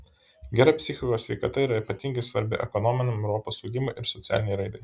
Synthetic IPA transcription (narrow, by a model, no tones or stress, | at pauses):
ɡʲɛɾɐpʲsʲɪxʲɪkoːsʲʋʲɛɪkɐt̪ɐiːˑɾɐipɐt̪ʲiŋʲɡʲɐɪsʋɐɾʲbʲɪ̰ʔɛkɔnɔmʲɪnɐɛʊɾɔpoːsɔʊɡʲɪmɐɪʔɪɾsɔt̪sʲæ̰ːlʲɪnʲɛɪɾɐɪd̪ɐɪ